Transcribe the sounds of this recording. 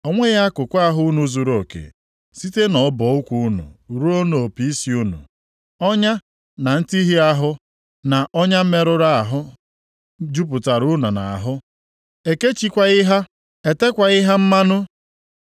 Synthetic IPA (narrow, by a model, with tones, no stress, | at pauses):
ɔ˨ŋʷe˦ɣa˦kʊ˨kʷa˦˨ɦʊ˦nu˨˦zu˨ɾo˨kḛ˨ | si˦te˦nɔ˨˦bɔ˨ʊ˦kʷu˦u˦nṵ˨ɾu˦o˦no˨o˨pi˦i˦si˨u˦nṵ˨ | ɔ˦ɲa˦ | na˨n̩˦ti˦ɦi˦a˦ɦʊ˦ | na˨ʔɔ˦ɲa˦m̩˦me˦ɾʊ˦ɾa˦a˨ɦʊ˦ | d͡ʒu˦p̬ʊ˨ta˨ɾʊ˦nʊ˨na˨a̰˨ɦʊ˦ | e˨ke˦t͡ʃi˦kʷa˨ɪ˦ɦa˦ | e˨te˦kʷa˨ɪ˦ɦa˦m̩˦ma˦nʊ˦